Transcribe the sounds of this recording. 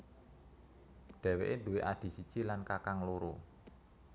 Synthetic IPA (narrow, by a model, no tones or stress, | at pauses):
ɖ̪̥ɛ̤weʔed̪ṳweʔad̪̥i̤sit͡ʃilankakaŋloɾo